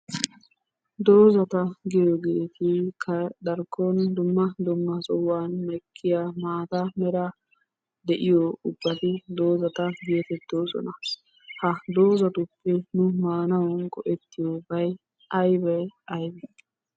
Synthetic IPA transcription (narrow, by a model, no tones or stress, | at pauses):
d̪o̞ːzɐt̪ɐɡɪjɔɡeːt̪ɪkʰɐd̪ɐɾkːɔnd̪ʊmːɐd̪ʊmːɐsɔwːaːnmɛkʰːɪjamaːt̪ɐmɛɾɐ | d̪ɛʔɪjɔʊbːɐt̪ɪd̪o̞ːzɐt̪ɐɡeːt̪ɛt̪ːoːsɔ̰nɐ | hɐd̪o̞ːzɐt̪ʊpːɛnʊmaːnɐwɔnkɔʔɛt̪ːɪjobɐj | ɐjbɐjɐjbɛ